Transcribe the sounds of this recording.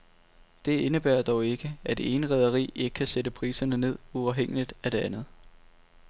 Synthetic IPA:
d̥e̝e̝nəb̥æɐ̰d̥ɒʊe̝ɡ̥əæd̥e̝e̝ːnəʁɛð̞ˠɐʁḭːe̝ɡ̥əkʰæsedəpʰʁiːsɐnəne̝ð̞̰ˠuɑ̈ʊɦeŋ̰əlid̥æd̥e̝ænð̞̩ˠ

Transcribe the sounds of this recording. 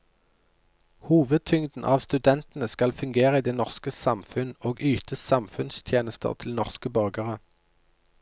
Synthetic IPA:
huːʋəd̪̚t̪ʰʏŋd̪n̩ʔɑːʋst̪ʉd̪ɛnt̪n̩əskɑlfʉŋɡeːʁəiːd̪eːnɔʁskəsɑmfʉnoːɡyːt̪ʰəsɑmfʉnst̪ʰjeːnəst̪ʰə̰ʁt̪ʰɪlnɔʁskəbœʁɡəʁə

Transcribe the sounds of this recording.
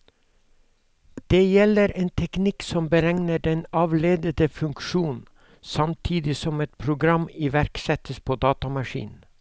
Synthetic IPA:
d̪̥eːjɛləɾeːnt̪ʰɛknɪksɔmbəɾɛŋnəɖɛnɑːʋleːd̪ət̪əfʉŋkʃuːn | sɑmt̪ʰiːd̪ɪsɔmɛt̪̚pʰɾʊɡɾɑmɪʋæɾksɛt̪əspʰoːd̪ɑːt̪ɑmɑʂḭːn̩

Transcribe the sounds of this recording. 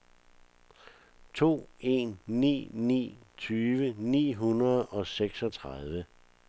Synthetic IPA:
t͡sʰo̝̰ːe̝̰nːḭːnḭːt͡sʰyːʋənḭːɦunʁɐð̩ˠɒ̽seɡ̥sɒ̽t͡sʰʁað̞ˠʋə

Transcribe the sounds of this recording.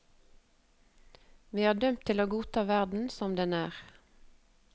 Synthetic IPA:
ʋiːhɑːɖ̪œmt̪ʰɪloːɡuːt̪ʰɑːʋæʁd̪n̩sɔmd̪ɛnæːʁ

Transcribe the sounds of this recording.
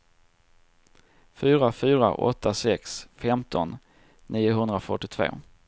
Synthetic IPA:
fyːɾafyːɾa̰ʔɔ̰t̪ːasɛksfɛmt̪ʰɔnː | iːʊɦɵnd̪ɾafœʈːɪt̪ʰvo̰ː

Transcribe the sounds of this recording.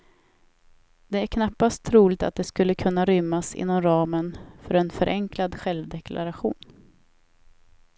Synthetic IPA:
d̪̥ɛæɾkʰnapːast̪ʰɾuːlɪɡ̚t̪at̪̚d̪ɛskɵlːəkʰɵnːaɾʏmːasɪ̰nːɔmɾɑːmənfœɾɛnfœɾʔɛŋklad̪ɧɛlvd̪ɛkʰlʔa̰ɾaɧṵːn

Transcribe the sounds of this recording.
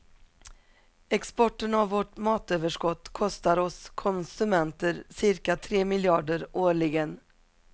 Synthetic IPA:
ɛkspɔʈːənavːɔʈmɑːt̪øːvəʂkɔt̪ːkʰɔst̪aɾɔskʰɔnsɵmɛnt̪əɾsɪɾkat̪ʰɾeːmɪljɑːɖəɾʔoːɭɪɡən

